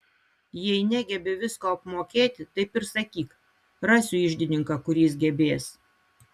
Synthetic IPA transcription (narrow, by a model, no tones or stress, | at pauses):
jɛɪnʲæɡʲɛbʲɪʋʲɪskoːɐpmoːkʲeːt̪ʲɪt̪ɐɪpɪɾsɐkʲiːk | ɾɑːsʲʊɪʒʲd̪ʲɪnʲɪŋkɐkʊɾʲiːsɡʲɛbʲeːs